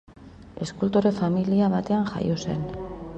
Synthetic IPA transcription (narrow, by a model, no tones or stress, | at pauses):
e̞skult̪oɾefamiliaβ̞at̪e̞aŋxa̰jose̞̰n